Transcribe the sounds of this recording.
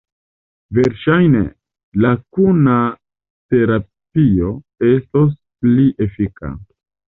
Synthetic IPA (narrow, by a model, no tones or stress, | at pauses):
ve̞ɾʃajnḛ | lakuna | te̞ɾa | pio̞ | e̞stos̬ | pliʔe̞fika̰